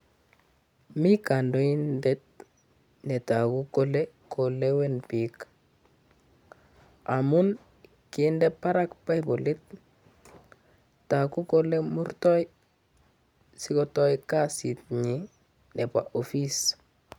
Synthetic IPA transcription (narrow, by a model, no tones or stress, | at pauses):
mikandoindet̚ | netakukole | kolewenpik | amun | kindepaɾakpajbolet̚ | takukolemuɾtɔj | sikotɔjkasit̚ɲi | nepa̰ʔofis